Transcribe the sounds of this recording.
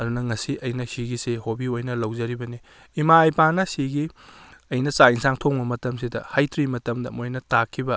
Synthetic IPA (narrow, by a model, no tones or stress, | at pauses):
ɐdunɐŋɐsiʔɐjnɐsiɡisehobiojnɐlɐwzɐɾibɐniː | maːjpanɐsiɡiɐjnɐsainsaŋtʰoŋbɐmɐtɐmsidɐhajtɾimɐtɐmdɐ̰mojnɐtakʰːibɐ